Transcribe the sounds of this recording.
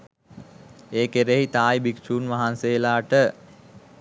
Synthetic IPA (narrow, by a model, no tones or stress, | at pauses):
eːkeɾeɦit̪aːjbiksuːnʋaɦanseːlaːʈə